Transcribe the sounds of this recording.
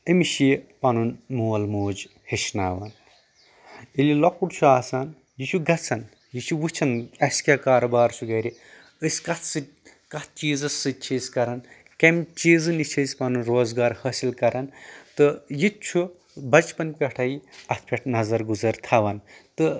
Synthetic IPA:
ɐmiʃipɐnunmuːɐlmoːd͡ʒ | heʃnaːʋɐn | ilʲilokuɽt͡ʃʰuaːsaːn | jit͡ʃʰuɡɐt͡sʰɐn | jit͡ʃʰuʋɨt͡ʃʰɐnɐsʲkʲaːkaːɾɐbaːɾt͡ʃʰuɡɐɾʲi | əsʲkɐt̪sɨ | kɐt̪ʰt͡ʃiːzɐsɨt͡ʃʰiːsʲkɐɾɐn | kɐmʲt͡ʃiːzɨnit͡ʃʰəzʲpɐnunɾoːzɡaːɾhɐsilkɐɾɐnt̪ɨjit͡ʃʰu | bɐt͡ʃpɐnpʲeʈʰɐjiɐt̪ʰpʰʲeʈʰnɐzɐɾɡuzɐɾt̪ʰaːʋɐnt̪ɨ

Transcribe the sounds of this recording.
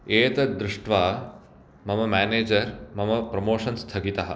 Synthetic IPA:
eːt̪ɐd̪ɾʊʂʈʰʋaː | mɐmɐmæːneːd͡ʒɐɾmɐmɐpɾɐmoːʂɐnst̪ʰɐɡit̪aɦɐ̰̆

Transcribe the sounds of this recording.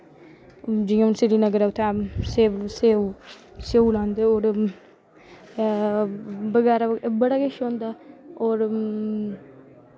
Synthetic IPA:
d͡ʒijãnseɾinəɡəɾaut̪ʰeseːseː | seulãːnd̪eoːɾ | bəɡɛːɾabəɽaɡeʃõːnd̪aːoːɾ

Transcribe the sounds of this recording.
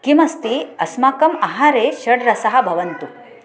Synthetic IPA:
kimɐst̪iɐsmaːkɐmɐɦaɾeːʃɐɽɾɐsɐɦɐ̆bʱɐʋɐnt̪u

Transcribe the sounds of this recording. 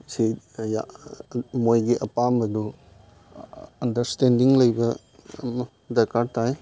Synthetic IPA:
si | ja̰ | mojɡiʔɐpambɐdu | ɐndɐɾstendiŋlɐjbɐ | m | dɐɾkaɾtaj

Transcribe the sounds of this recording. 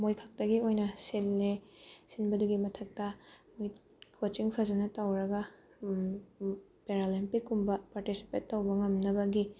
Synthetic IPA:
mojkʰak̚tɐɡiojnɐselnesinbɐduɡimɐtʰɐk̚tɐmj | kʰot͡ʃiŋpʰɐzɐnɐtɐwɾɐɡɐ | peɾalimpikːumbɐpaɾtisi̥petːɐwbɐŋɐmnɐbɐɡi

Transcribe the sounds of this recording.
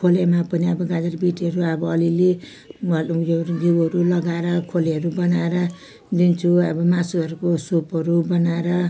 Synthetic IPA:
kʰolamapʌniʌbʌɡad͡zʌrbiʈɦʌɾuʌbʌʌlile | mʌjoɡiwɦʌɾulʌɡaeɾʌkʰoleɦʌɾubʌnaeɾʌ | d̪int͡sʰuʌbʌmasuɦʌɾukosopʌɾubʌnaeɾʌ

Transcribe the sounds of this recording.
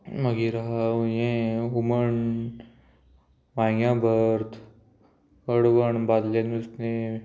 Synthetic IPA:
məɡiɾaɦjẽɦuməɳ | maːjãbʱəɾt̪ʰ | əɽʋəɳbaːd̪lenusne

